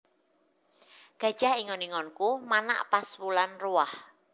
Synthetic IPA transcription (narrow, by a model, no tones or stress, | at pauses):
ɡ̥a̤d̥ʒ̥ahiŋɔniŋɔnkumana̰ʔpaswulanruah